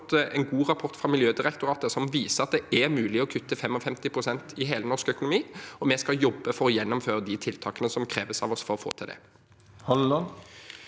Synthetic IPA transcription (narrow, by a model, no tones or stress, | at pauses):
t̪ɛnɡuːʁɑpʰɔʁt̪fʁɑmɪljøːd̪ɪʁɛkt̪ʊɾɑːt̪əsɔmʋiːsəɾɑt̪̚d̪ɛɛɾmʉːlɪɔkʰʉt̪ːəfɛmːɔfɛmt̪ɪpʰɾʊsɛnt̪ɪɦeːlənɔʁʂkœkʊnʊmiːɔmɛskɑjɔbːəfɔɾɔjɛnːʊmføːɾəd̪ɪt̪ʰɪlt̪ʰɑːkənəsɔmkʰɾeːʋəsɑ̰ʋɔsfɔɾɔfo̰ːt̪ʰɪld̪ɛ̰ | hɑ